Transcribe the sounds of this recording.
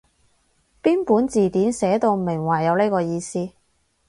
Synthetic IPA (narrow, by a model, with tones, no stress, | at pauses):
piː˥npuː˨˥nt͡siː˨˩t̪iː˨˥nsɛː˨˥t̪o˧wmɪ˨˩ŋwɐː˨˩jɐ˨˧wne˥kɔː˧jiː˧siː˥